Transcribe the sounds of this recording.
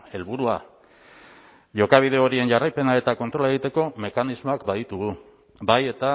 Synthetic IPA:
e̞lβuɾua | ʝo̞kaβ̞iðe̞o̞ɾie̞nʝarajpe̞nae̞t̪ako̞nt̪ɾo̞laeɣ̞it̪e̞ko̞me̞kanizmo̞akbaðit̪uɣu | baje̞t̪a

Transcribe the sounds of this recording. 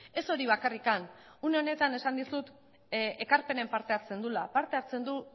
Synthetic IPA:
e̞so̞ɾiβ̞akarikanune̞o̞ne̞t̪ane̞sand̪isut̪ | e̞kaɾpe̞ne̞mpaɾt̪e̞at͡se̞nd̪ulapaɾt̪e̞aɾt͡se̞nd̪u

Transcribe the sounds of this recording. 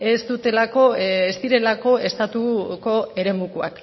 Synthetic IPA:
e̞st̪ut̪e̞lako̞est̪iɾe̞lako̞e̞st̪at̪uko̞e̞ɾe̞mukua̰k

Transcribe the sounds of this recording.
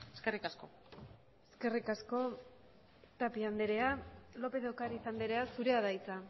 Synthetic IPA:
eskerikasko | e̞ske̞rikasko̞ | t̪apiand̪eɾe̞alo̞pe̞ðokaɾiːsand̪eɾe̞asuɾe̞aðajt͡sa

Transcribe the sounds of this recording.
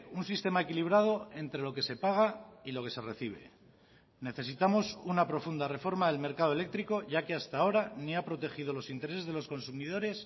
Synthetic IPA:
unsist̪e̞mae̞kiliβ̞ɾað̞o̞e̞nt̪ɾe̞lo̞ke̞se̞paɣ̞ailo̞ke̞se̞re̞θiβ̞e̞̰ | ne̞θe̞s̬it̪amo̞sunapɾo̞fund̪are̞fo̞ɾmaðe̞lme̞ɾkaðoele̞k̚t̪ɾiko̞ʝakeast̪ao̞ɾaniapɾo̞t̪e̞xið̞o̞lo̞sint̪eese̞zðelo̞sko̞nsumiðo̞ɾe̞s

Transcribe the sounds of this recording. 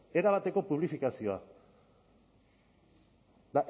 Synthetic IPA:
e̞ɾaβ̞at̪e̞ko̞puβ̞lifikasio̞a̰ | d̪aʔ

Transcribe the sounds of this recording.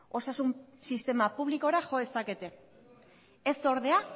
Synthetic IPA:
o̞sasumsist̪e̞mapuβliko̞ɾaʝo̞esake̞t̪e̞ | eso̞ɾðe̞a

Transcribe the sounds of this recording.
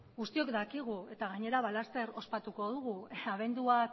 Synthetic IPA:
ɡust̪io̞kd̪akiɣ̞ue̞t̪aɣaɲe̞ɾaβalast̪e̞ɾo̞spat̪uko̞ðuɣuaβe̞nd̪ua

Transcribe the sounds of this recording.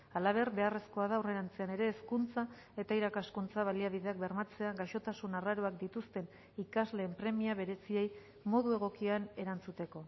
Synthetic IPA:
alaβ̞e̞rβe̞are̞sko̞aðawre̞ɾant͡se̞ane̞ɾe̞ːskunt͡sa | e̞t̪aiɾakaskunt͡saβ̞aliaβ̞iðe̞ak̚be̞ɾmat͡se̞aɣaʃo̞t̪asunaraɾoakd̪it̪ust̪e̞n | ikazle̞ːmpɾe̞miaβ̞e̞ɾe̞sie̞j | mo̞ðue̞ɣ̞o̞kiane̞ɾant͡sut̪e̞ko̞

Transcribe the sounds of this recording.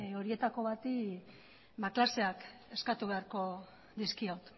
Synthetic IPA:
o̞ɾie̞t̪ako̞β̞at̪i | baklase̞ake̞skat̪uβe̞aɾko̞ | d̪iskiawt̪

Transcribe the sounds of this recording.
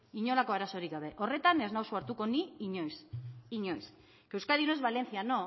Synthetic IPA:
iɲo̞lako̞aɾaso̞ɾikɡaβ̞e̞ʔo̞re̞t̪aneznawsuaɾt̪uko̞niiɲojsiɲo̞js | kewskaðiunoezβale̞nθjano̞

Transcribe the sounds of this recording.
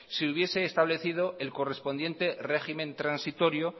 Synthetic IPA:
siuβje̞se̞ːst̪aβle̞θið̞o̞elko̞re̞spo̞nd̪je̞nt̪e̞re̞ximẽ̞nt̪ɾansit̪o̞ɾjo

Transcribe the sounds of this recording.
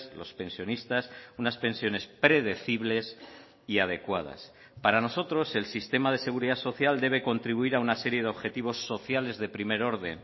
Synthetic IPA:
slo̞spe̞nsjo̞nist̪asunaspe̞nsjo̞ne̞spɾe̞ðe̞θiβle̞s | iað̞e̞kwað̞a̰s | paɾano̞so̞t̪ɾo̞se̞lsist̪e̞mað̞e̞se̞ɣuɾiðaso̞θjald̪e̞β̞e̞ko̞nt̪ɾiβuiɾaunase̞ɾje̞ðeo̞βxe̞t̪iβ̞o̞sːo̞θjale̞zðe̞pɾime̞ɾo̞ɾðe̞n

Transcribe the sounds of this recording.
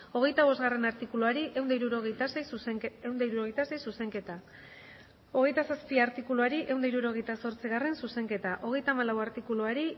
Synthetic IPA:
o̞ɣ̞e̞jt̪aβ̞o̞zɣare̞naɾt̪ikuluaɾiʔe̞wnd̪iɾuɾoɣt̪asejsewnd̪aiɾuɾo̞ɣjt̪ase̞jsuse̞ŋke̞t̪a | o̞ɣ̞e̞jt̪asaspiaɾt̪ikuluaɾiʔe̞wnd̪aiɾuɾo̞ɣ̞e̞jt̪aso̞ɾt͡siɣare̞nsuse̞ŋke̞t̪aʔo̞ɣ̞e̞jt̪aːmalawaɾt̪ikuluaɾi

